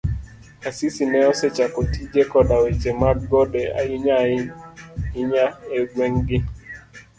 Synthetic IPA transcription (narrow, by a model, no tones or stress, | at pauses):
asisinɛɔset͡ʃakotid͡ʒekɔdawet͡ʃemad̚ɡɔdea̰ɪɲaɪ | ɪɲaeɡweŋɡɪ